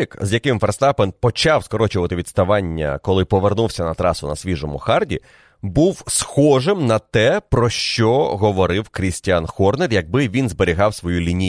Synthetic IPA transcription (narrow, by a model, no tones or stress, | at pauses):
ikzjɐkɪmfɛrst̪ɑpɛnpɔt͡ʃɑwskɔɾɔt͡ʃʊʋɐt̪ɪʋʲid̪st̪ɐʋɑnʲːɐ̰kɔlˠɪpɔʋernuwsʲɐnɐt̪ɾɑsʊnɐsʲʋʲiʒɔmʊ̰xɑrdʲḭ | buwsxɔʒɪmnɐt̪ɛpɾɔʃt͡ʃɔɦɔʋɔɾɪwkɾʲisʲtʲanxɔrnerjɐɡ̚bɪʋʲinzbeɾʲiɦɑwsʋɔjulʲinʲi